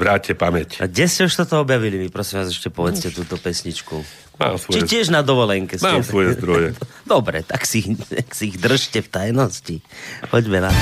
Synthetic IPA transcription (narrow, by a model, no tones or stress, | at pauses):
ʋɾaːɛpamɛcɡɟɛscɛuʃt̪ɔt̪ɔɔbjaʋilimipɾɔsimʋaːzɛʃcɛpɔʋɛt͡scɛt̪uːt̪ɔpɛsɲit͡ʃku | ma̰ːmsʋɔt͡ʃiɛcɪɛʒnad̪ɔʋɔlɛŋkɛsmaɛːmsʋɔjɛzd̪ɾɔjɛ | d̪ɔbɾɛ̰t̪aksiaksiiɣd̪r̩ʃcɛft̪ajnɔscixɔɟmɛnat̪